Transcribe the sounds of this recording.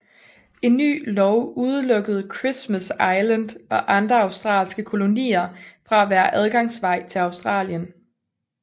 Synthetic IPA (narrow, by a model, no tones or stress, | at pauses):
e̝nːy̰ːlɒʊuð̞ˠəlɔ̽ɡ̥əð̞̩ˠkʰʁismæsɑ̈ɪlənd̥ɒ̽ʔɑ̈nd̥ʁɐɑ̈ʊsd̥ʁɑ̰̈ːlsɡ̥əkʰo̝lo̝nḭːɐfʁɑ̈æʋæːɐʔæð̞ˠɡ̥ɑ̈ŋ̰sʋɑ̈ɪ̰t͡sʰe̝lɑ̈ʊsd̥ʁɑ̰̈ːljən